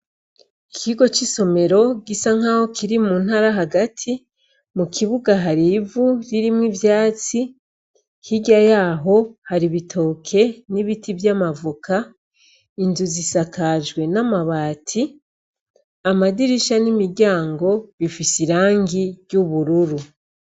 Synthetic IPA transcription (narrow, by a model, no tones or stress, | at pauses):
kʰiɡo̞t͡ʃiso̞me̞ɾo̞ɡisaŋ̥aho̞kiɾimuːnhaɾaɦaɡatʰi | mukʰiβuɡaɦaɾivuɾiɾimwivjaːt͡si | hiɟajaːɦo̞haɾiβitʰo̞ːkʰe̞niβitʰivjaːmavuka | inzuzisakaʒɡwe̞namaβaːtʰi | amadiɾiʃanimiɟaːŋɡo̞βifisiɾaːŋɡijuβuɾuɾu